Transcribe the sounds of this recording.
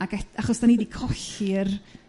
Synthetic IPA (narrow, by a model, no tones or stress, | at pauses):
aɡɛtaχɔsd̥aniːdikʰɔɬɪr